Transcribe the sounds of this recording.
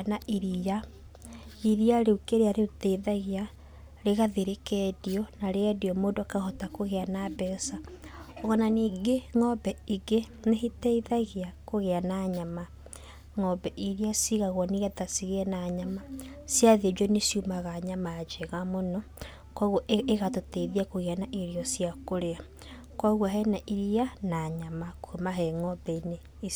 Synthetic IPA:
naʔiɾija | iɾiaɾeukeɾeaɾeutɛiðaɣea | ɾeɣaðeɾekɛdiɔnaɾeɛdiɔmoːdoakahɔtakoɣeanabɛsaɔɣɔnaniːɡeŋɔbɛiɡe | nehetɛiðaɣeakoɣeanaɲama | ŋɔbɛʔiɾiasiɣaɣɔniɣatasiɣeɛnaɲamasjaðed͡ʒɔnesjumaɣaɲamad͡ʒeɣamonɔ | kwaɣɔʔeɣatotɛiðiakoɣeanaʔiɾiɔsiakoɾea | kwaɣwaɦɛnaʔiɾianaɲamakumaɦɛŋɔbɛine | i

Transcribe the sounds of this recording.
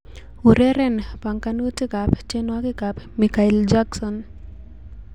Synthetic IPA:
uɾeɾɛnpaŋkanutikapt͡ʃenwakɪkapmikaɪld͡ʒaksɔn

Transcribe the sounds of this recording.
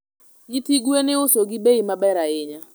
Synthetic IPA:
ɲitiɡwenɪʊsoɡɪbeimabɛɾaɪɲa

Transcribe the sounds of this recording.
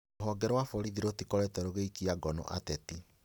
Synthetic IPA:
ɦɔɡɛɾwafɔɾiðiɾotikɔɾɛtɛɾoɣeikiaɡɔnɔ̰ʔatɛti

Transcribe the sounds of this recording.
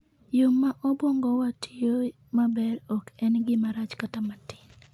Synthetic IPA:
jʊmːaʔɔbwɔŋɡɔwatijo | mabɛɾɔkɛnɡɪmaɾat͡ʃkatamatɪ̥n

